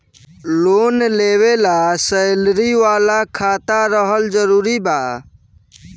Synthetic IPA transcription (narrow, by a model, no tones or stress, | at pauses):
lonlewelasəjlɾiʋalakʰat̪aɾəɦəld͡ʒəɾuːɾiba